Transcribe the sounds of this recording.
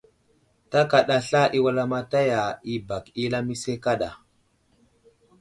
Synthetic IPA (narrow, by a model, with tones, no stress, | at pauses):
ta˦ka˨ɗa˦ɬa˦ʔi˦wa˦la˦ma˦ta˦ja˨i˦ba˨ki˦la˦mi˦se˦ka˦ɗa˨